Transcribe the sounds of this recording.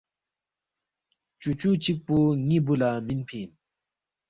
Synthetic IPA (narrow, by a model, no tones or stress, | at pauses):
t͡ɕut͡ɕut͡ɕik̚poŋibulaminpʰin